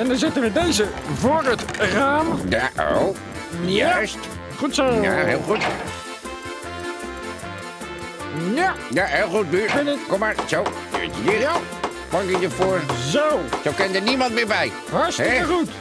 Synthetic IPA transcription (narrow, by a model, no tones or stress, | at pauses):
ɛndɑnzɪtənʋədejzəvʊːrətraːmjao̰w | jast | χutsoja̰ɦeːlˠχut | jajaɦelˠχut̚myɹɪnɪkkɔmaːɹsowdø̰ːɹtədija | pɑŋkɪdəfoːɹzowsowkɛndənimɑntʋɪːɹbɛj | ɦɑɹsɪkəχut